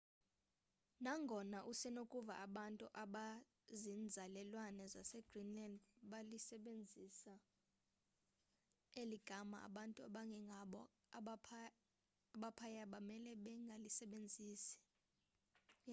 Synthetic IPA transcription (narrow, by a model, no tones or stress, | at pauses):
naŋɡʱɔnaʔusɛnokʼuva̰ʔaɓantʼuʔaɓa | zind͡zʱalɛlwanɛzasɛɡ̥rinlandɓalisɛɓend͡zʱisa | eliɡ̥ʱama̰a̰ɓantʼuaɓaŋɡʱɛŋʱaɓɔ | pʰ | aɓapʰajaɓamɛlɛɓɛŋɡʱalisɛɓend͡zʱiːsi̥